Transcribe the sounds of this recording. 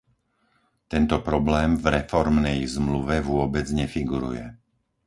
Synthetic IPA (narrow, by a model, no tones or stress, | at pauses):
t̪ɛnt̪ɔpɾɔblɛːmvɾɛfɔɾmnɛjzmluʋɛʋʊɔbɛd͡zɲɛfiɡuɾṵjɛ̰